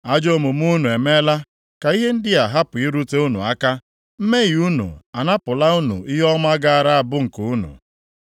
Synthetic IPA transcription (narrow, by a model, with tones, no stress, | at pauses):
a˨d͡ʒo˦mu˨m˦u˦nu˨e˨me˦la˦ | ka˨i˦ɦe˦n̩˦dɪ˦a˨ɦa˦pʊ˨i˦ɾu˦te˦u˦nṵ˨a˦ka˦ | m̩˦me˦ɣi˨u˦nṵ˨a˨na˦pʊ˨la˦u˦nṵ˨i˦ɦɔ˦m˦a˦ɡa˦˨ɾa˦a˨bʊ˦ŋ̩˨kʊ˨u˦nṵ˨